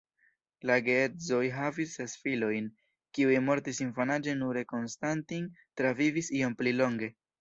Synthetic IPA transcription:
laɡeezo̞jɦavisːe̞sfilo̞jn | kiujmo̞ɾtisinfanad͡ʒe̞nuɾe̞ko̞nstantiŋtɾavivisio̞mplilo̞ŋɡe̞

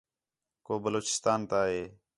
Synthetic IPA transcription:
koːbəloːt͡ʃɪ̥st̪aːnt̪aːɦeː

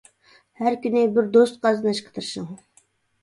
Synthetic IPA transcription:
hæɾkʲynɪbɪɾd̪ost̪̚qɑzɨnɨʃqʰə̥t̪ʰɨɾʃɨŋ

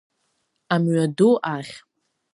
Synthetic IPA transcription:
amɥaduʔaχʲ

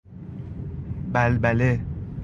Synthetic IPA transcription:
bælbæle

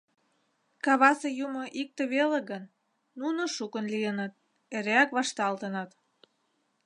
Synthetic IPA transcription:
kɑβɑsejumŏʔik̚t̪ĕβeleɣənː | unoʃukənlijənɤt̪̚ | eɾeækβɑʃt̪ɑlt̪ənɤ̆t̪

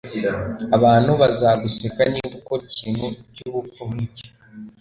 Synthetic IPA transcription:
aβaːn̥huβazaɡusekaniːdukociːnhucuβupuhci̥

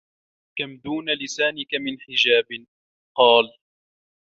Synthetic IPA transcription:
kamd̪uːnalɪsaːnɪkamɪnħɪd͡ʒaːbɪ | qɑːl

